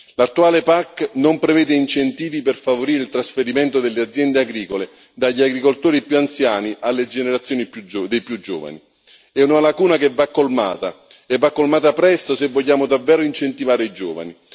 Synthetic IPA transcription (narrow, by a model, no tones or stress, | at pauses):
lat̪ːuaːlepakːnompɾevɛːd̪eint͡ʃent̪iːviperfavoɾiːɾeɪilt̪ɾasfeɾiment̪od̪elːead̪zjɛnd̪eaɡɾiːkole | d̪aʎːiaɡɾikolt̪oːɾipjuant̪sjaːniʔalːed͡ʒeneɾat̪sːjoːnipjud̪ejpjud͡ʒɔ̰ːva̰nḭ | ɛunalakuːnakevːakːolma̰ːt̪a | ɛvːakːolmaːt̪apɾɛst̪osevːoʎːaːmʊd̪avːɛːɾʊint͡ʃent̪ivaːɾeid͡ʒɔːva̰ni